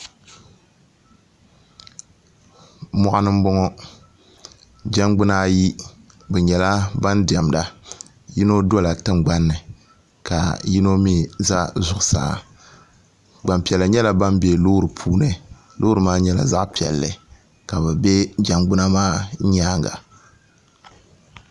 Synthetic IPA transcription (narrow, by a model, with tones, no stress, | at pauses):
mɔ˦˨ʔa˦nɨ˦m̩˦bɔ˦ŋɔ˦ | d͡ʒa˦ŋɡ͡bɨ˦na˦ji˦ | bɛ˨ɲɛ˨la˦ba˦ndi˨ɛ˨mda˨ | ji˦no˦do˦la˨tɨ˦ŋ͡mɡ͡ba˦nːɨ˨ | ka̰˨ji˦no˦mi˦za˦zʊ˨ʔʊ˨sa̰ː˨ | ɡ͡ba˨mpɛ˨lːɨ˨ɲɛ˦la˨ba˦mbe˨lo˦ɾɨ˨pʰuː˦nɨ˨ | lo˦ɾɨ˨maː˦ɲɛ˦la̰˨za˦ʔpi˨ɛ̰˨lːɨ˨ | ka˨bɛ˨bɛ˦d͡ʒa˨mɡ͡bʊ˦na˦maː˦ɲa˦ŋɡa̰˨